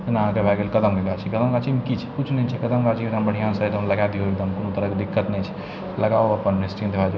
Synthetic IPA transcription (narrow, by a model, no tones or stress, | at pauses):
t̪ɐnaãkebʱaɡelkɐd̪əmkeɡat͡ʃʰikəd̪əmɡat͡ʃʰimkit͡ʃʰɛ̥kut͡ʃʰnɛt͡ʃʰɛkɐd̪əmkat͡ʃʰikɾãmbəɽ̤ijãsəed̪əmlɐɡad̪ioek̚d̪əmkonot̪əɾəked̪ikːət̪nɛt͡ʃʰi̥ | lɐɡaoɐpənnesʈĩnd̪ebʰad͡ʒ